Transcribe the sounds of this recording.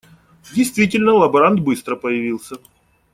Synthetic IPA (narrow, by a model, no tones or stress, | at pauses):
dʲɪjst̪vʲitʲɪlʲnəlˠɐbɐɾand̪̚bɨst̪ɾəpəjɪvʲilˠsʲə